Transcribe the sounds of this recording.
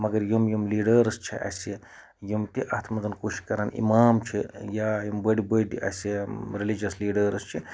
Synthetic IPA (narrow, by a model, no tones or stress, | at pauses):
mɐɡɐɾjumjumliːɖəɾst͡ʃʰiʔɐ̰se | jumt̪iʔɐt̪ʰmɐt̪ɐnkoːʃi̥kɐɾaːnʔḭmaːmt͡ʃʰijaːjimbəɽibəɖiʔɐ̰seɾilid͡ʒɐsliːɖəːɾst͡ʃʰi